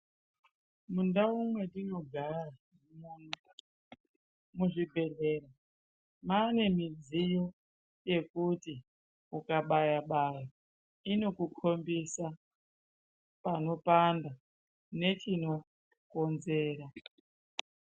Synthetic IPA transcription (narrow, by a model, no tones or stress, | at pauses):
mundaumwe̞tino̞ɡʱara | munu | muʐibʱe̞leːra | maːne̞mid͡zijo̞ | je̞kuti | ukaɓajaɓaja | ino̞kukʰo̞mbisa | pano̞panda | ne̞t͡ʃino̞ | ko̞nze̞ːɾa